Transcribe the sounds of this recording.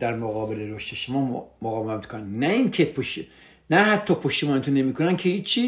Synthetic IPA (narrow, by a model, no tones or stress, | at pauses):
d̪̥æɾmoɣɒːbeleɾoʃt̪eʃomɒːmoɣɒːbemæt̪kʰonænnæinkʰepʰoʃ | næhæt̪ʰːɒːpʰoʃt̪imɒːnet̪ʰonemiːkʰonænkʰehiːt͡ʃʰːiː